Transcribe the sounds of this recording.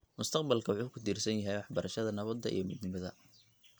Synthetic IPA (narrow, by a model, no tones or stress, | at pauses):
mʊst̪ʰɐqbɐlkʰɐwʊħuːkʰʊd̪iːrsɐnjɐɦɛjwɑħbɐɾɐʃɐðɐnɐβɐd̪ːɐʔḭjɞmɪd̪nɪmɐðɐ